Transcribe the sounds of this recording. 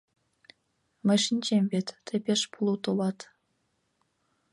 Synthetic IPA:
mɘ̆ʃinʲt͡ɕemʲvʲet̪ːĕpʲeʃpʰulˠut̪olɑt̪

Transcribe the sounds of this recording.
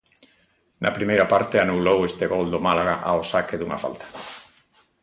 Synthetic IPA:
nɐ̰pɾimejɾapaɾt̪eanulowest̪eɣɔld̪omalaɣaʔaosakeðuŋa̰fa̰lt̪ḁ

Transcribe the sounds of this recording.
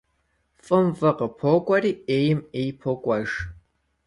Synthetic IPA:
fʼɨmfʼɐqʼəpʰokʷʼɐriːejɪmejpʰokʷʼɐʒ

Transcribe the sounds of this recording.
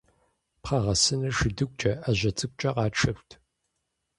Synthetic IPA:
pχɐʁɐsɨnɐʂɪdɨk̚ʷʼt͡ʃʼɐʔɐʑʷɐt͡sʼɨk̚ʷʼt͡ʃʼɐqɑːʈ͡ʂʰɐɸʷtʰ

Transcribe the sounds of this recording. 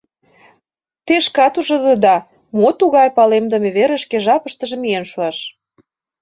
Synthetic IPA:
t̪eʃkɑt̪uʒŏd̪əd̪ɑ | mot̪uɣɑjpɑlemd̪ə̆meβeɾə̆ʃkeʒɑpəʃt̪ə̆ʒĕmienʃuɑʃ

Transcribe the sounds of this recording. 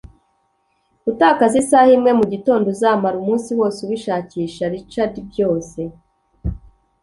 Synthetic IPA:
utaːkazisahimŋe̞muɟito̞ːndo̞zaːmaɾumuːnsiwo̞ːsewiʃaːciːʃaɾit͡ʃaɾibɟo̞ːse̞

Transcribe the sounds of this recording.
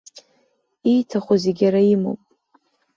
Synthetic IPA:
ijtʰaχʷozeɡʲaɾaimo̰pʼ

